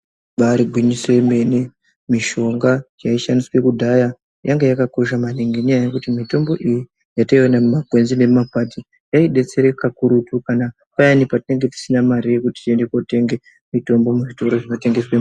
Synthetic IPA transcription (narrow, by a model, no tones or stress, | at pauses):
ɓaɾiɡʱwiɲise̞me̞ne | miʃo̞ŋɡajaiʃandiswe̞kudʱaja | jaŋɡejakako̞ʃamaniŋɡeɲajajekutimito̞mbo̞ʔiji | jataiwanamumaɡwe̞nzine̞mapatʰi | jaiɗe̞t͡se̞ɾekakuɾutukana | pajanipatine̞ŋɡe̞ti̥sinamaɾijekuti̥te̞nde̞kote̞ŋɡe | mito̞mbo̞muʐito̞ɾo̞ʐino̞te̞ŋɡe̞swe